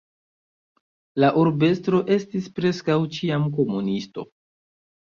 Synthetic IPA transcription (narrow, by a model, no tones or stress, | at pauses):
laʔuɾbe̞stɾo̞ʔe̞stispɾe̞skawt͡ʃiamk̬o̞munisto̞̰